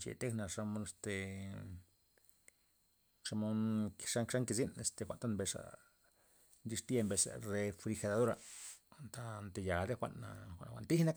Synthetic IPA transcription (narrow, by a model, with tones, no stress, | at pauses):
t͡ʃḛ˨t̪e˦hna˧ʂa˧mo˧˦ne˧st̪e˨ | ʂa˧mo˦nkʂa˦kʂa˦ŋki˧zi˦ne˧st̪e˧xʷa̰˨ʔnt̪a˦nmbe˧ʂa̰˧ | nd͡ʒi˧ʂt̪je˧mbe˧sa̰˨ɾe˧fɾi˧xe˧d̪a˨d̪o˦ɾa̰˧nt̪a˧nt̪e˧ja˨ɾe˦xʷa̰˧ʔna̰˧xʷa̰˧˨n˧xʷa̰˧˨nt̪i˦hna˦k